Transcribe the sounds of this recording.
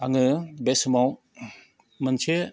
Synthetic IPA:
aŋɯbesmaw | mənt͡ʃʰe

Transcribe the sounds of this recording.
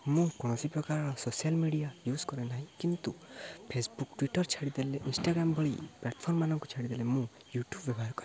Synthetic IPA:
mũkɔɽ̃ɔsipɾɔkaɾɔɽɔsosialmiɖijajuskɔɾenaɦĩkint̪upʰesbukʈwiʈɔɾt͡ʃʰaɽid̪eleʔinsʈaɡɾambʱɔɭḭplaʈpʰɔɾmːanɔŋkɔt͡ʃʰaɽid̪elemũ | juʈjubːjɛbɔɦaɾkɔɾ

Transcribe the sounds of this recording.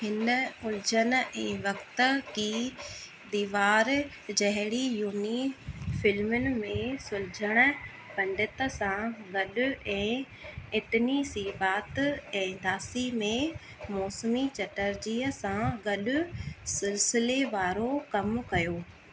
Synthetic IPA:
hɪnəʊld͡ʑənɛ̃ːʋɐkt̪kiː | d̪iːʋaːɾ | d͡ʑɐɦɪɽijuːnifɪlmʊnɪ̆mẽsʊld͡ʑʱəɽ̃ə | pɐ̃ɳɖɪt̪sãɡɐɗʊɛ̃ː | ɪt̪nisiːbaːt̪ɛ̃ːd̪aːsimẽ | mɔːsmit͡ɕɐʈəɾd͡ʑiːəsãɡɐɗʊsɪlsɪleʋaːɾokɐmkɐjoː

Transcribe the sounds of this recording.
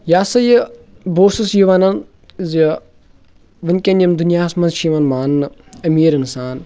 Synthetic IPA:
jaːsɐji | boːsusjuʋanɐn | zi | ʋɐnʲkʲɐnjɐmd̪unjaːsmɐnzʃiːʋɐnmaːnːɨɐmiːɾinsaːn

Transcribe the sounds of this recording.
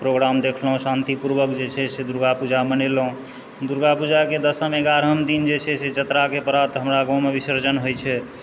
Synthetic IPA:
pɾoɡɾamd̪ekʰlɦũsant̪ipuɾbəkd͡ʒet͡ʃʰɛsed̪uɾɡapud͡ʒamənelɦũ | d̪uɾɡapud͡ʒaked̪əsəmeɡaɾɦəmd̪ind͡ʒet͡ʃʰɛsed͡ʒət̪ɾakepəɾat̪ɦəmɾaɡɔ̃mebisəɾd͡ʒənɦojt͡ʃʰɛ

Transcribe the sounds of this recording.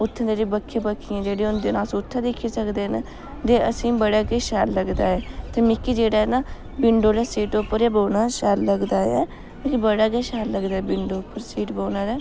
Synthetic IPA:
ʊt̪ʰːãd̪eːɾiːbəkʰːeːbəkʰːiãːd͡ʒeːɽeːʊnd̪eːnaːsʊt̪ʰːãːd̪ekʰːeːsəkd̪eːn | d̪eːəsĩːbəɽaːkeːʃaːlləɡd̪aːɛːt̪eːmɪkːiːd͡ʒeːɽaːɛnaː | bɪɳɖoːlɛːsiːʈopːəɾjaːboːnaːʃaːlləɡd̪aːɛ̰ː | ĩkibəɽaːɡɛːʃaːlləɡd̪aːɛːbɪɳɖoːpːəɾsiːʈboːnaːlɛː

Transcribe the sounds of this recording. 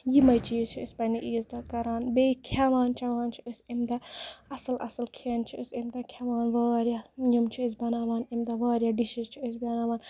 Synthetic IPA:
jimɐjt͡ʃiːzt͡ʃʰiispɐniʔiːzd̪ɐkɐɾaːnbekʰaʋaːnt͡ʃʰɐʋaːnt͡ʃʰiʔisimd̪ɐɐsɐlɐ̰sɐlkʰeːnt͡ʃʰiisimd̪ɐkʰɐʋaːnʋaːɾjɐjɐmt͡ʃʰiis̬bɐnaːʋaːnimd̪ɐʋaːɾjɐɖiʃizt͡ʃʰiis̬bɐnaːʋaːn

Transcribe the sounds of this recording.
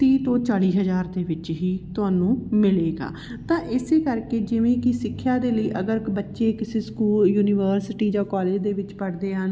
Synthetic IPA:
t̪iːt̪õːt͡ʃaːɽiːɦəd͡ʒaːɾd̪eːʋɪt͡ʃɦiːt̪ʊaːnũːmɪleːɡa̰ː | t̪ãːʔɪseːkəɾkeːd͡ʒɪʋẽːkɪsɪkʰːjaːd̪eːləiːʔəɡəɾbətːʃeːkɪseːskuːljuːnɪːʋəːɾsɪʈiːd͡ʒaːkaːleːd͡ʒd̪eːʋɪt͡ʃpəɽd̪eːɦən

